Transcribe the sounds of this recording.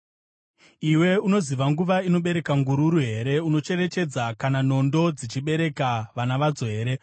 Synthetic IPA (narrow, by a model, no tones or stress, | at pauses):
iwe̞uno̞ziʋaŋɡuʋaino̞ɓe̞ɾe̞kaŋɡuɾuɾuɦe̞ɾe̞uno̞t͡ʃe̞ɾe̞t͡ʃe̞d͡zakanano̞ndo̞d͡zit͡ʃiɓe̞ɾe̞kaʋanaʋad͡zo̞ɦe̞ːɾe̞